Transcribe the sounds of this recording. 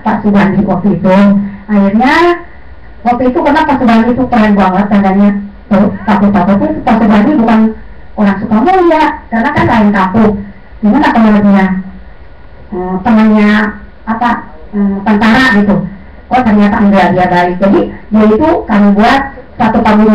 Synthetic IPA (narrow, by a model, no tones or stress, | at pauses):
pa̰ʔsubandiʔwak̚t̪uit̪uahirɲaa | wak̚t̪uit̪ukərnapasubandit̪upaanbuaŋət̪̚kadaɲat̪okapuk̚aput̪ut̪upasubanibukan | oɾaŋsukamujaʔkarnakanlaɪŋkapʊk̚ | d͡ʒimanapənəɾəp̚ɲa | ʔəmt̪əmanɲa | apa | ət̪ant̪aɾaʔɡit̪u | kot̪ərɲat̪abiadiabaɪk̚d͡ʒadidiait̪ukamibuat̪̚sat̪upaɡi